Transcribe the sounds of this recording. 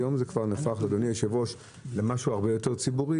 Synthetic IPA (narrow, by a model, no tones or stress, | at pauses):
jo̞mzekvaʁnafaχled̪onijeʃevo̞ʃ | lemaʃuaʁbejo̞te̞ʁt͡sibuʁi